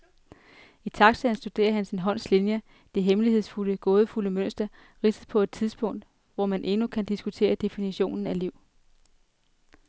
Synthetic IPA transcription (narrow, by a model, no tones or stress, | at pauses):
it͡sʰɑ̈ɡ̥sɛn̩sd̥ud̥e̝̰ːɐɦænsinɦɒ̽n̰slinjə | d̥e̝ɦemlihe̝ð̞̰ˠsfuləɡ̥o̽ːð̞ˠəfuləmøn̰sd̥ɐ | ʁisəð̩ˠpʰɒ̽e̝d̥̚t͡sʰiðˠsb̥ɔ̽ŋ̰d̥ | ʋɒmænʔe̝nukʰænd̥isɡ̥ut͡sʰe̝̰ːɐd̥e̝finiɕo̝̰ːnn̩æliʊ̰